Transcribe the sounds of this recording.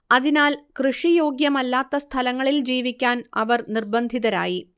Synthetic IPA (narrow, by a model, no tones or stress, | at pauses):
ɐðinaːlkrɨʂijo̞ːɡjɐmɐlːaːt̪ːɐst̪ʰɐlɐŋːɐɭild͡ʑiːʋikʲːaːnɐʋɐrnirbɐnd̪ʱiðɐɾa̰ːji